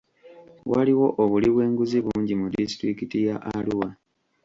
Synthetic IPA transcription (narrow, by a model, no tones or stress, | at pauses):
waliwo̞ʔoβuliβwe̞ːŋɡuziβuːɲɟimudisi̥tɾikitijaʔaluwa